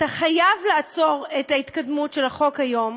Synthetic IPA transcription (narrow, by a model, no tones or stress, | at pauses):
taχajavlaːt͡so̞ʁetaitkadmutʃelaχo̞khajo̞m